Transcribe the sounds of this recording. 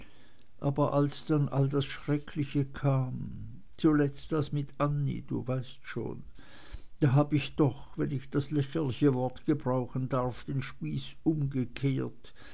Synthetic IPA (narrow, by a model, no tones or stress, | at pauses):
ʔaːbɐʔalsd̥anʔa̰ldasʃʁ̥ɛkʰlɪçəkʰaːm | t͡sulɛt͡stasmɪtʔanḭd̥ṵːvaɪstʃo̰ːn | d̥aːɦaːbəɪçd̥ɔχvɛnɪçd̥aslɛçəlɪçəvɔɐtɡ̥əbʁaʊxən̩daʁfd̥eːnʃpiːsʔʊmɡəkʰeːɐt